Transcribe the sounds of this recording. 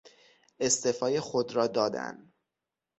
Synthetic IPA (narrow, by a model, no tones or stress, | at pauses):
e̞st̪efɒːjexo̞d̪ɾɒːd̪ɒːd̪æ̰n